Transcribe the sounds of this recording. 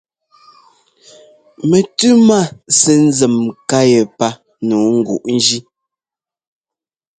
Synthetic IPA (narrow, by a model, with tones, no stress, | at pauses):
me˨tʉ˦ma˦˨sɛ˦n̩˦zə˨mka˦je˨pa˦ | nu˨˦ŋ̩˦ɡṵ˨ʔn̩˦d͡ʒi˦